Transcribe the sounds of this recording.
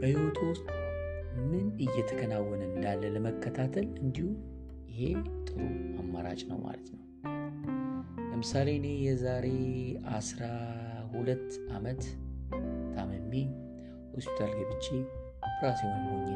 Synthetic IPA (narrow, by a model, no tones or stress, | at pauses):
b̥əhiwot̪ʰwʊst̪ʼmɨnɨjːɛt̪ʰəkʰənawːɔnɨnd̪alːələməkːət̪ʰat̪ʰəlɨnd̪ihu | jɪhet̪ʼɨɾuamːaɾa̰t͡ʃʼnə̰wma̰lət̪nəw | ləmɨsale̞nejɛzaɾe̞a̰sɾahulət̪ːʔamət̪ | t̪ʰaməmːe | hospi̥t̪ʰalɡəβɨt͡ʃːe | pʰɾasewonɡoɲːe